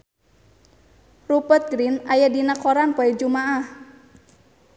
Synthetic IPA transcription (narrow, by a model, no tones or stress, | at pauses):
rupət̪̚ɡɾinajadinakoɾanpɔɛd͡ʒumaʔah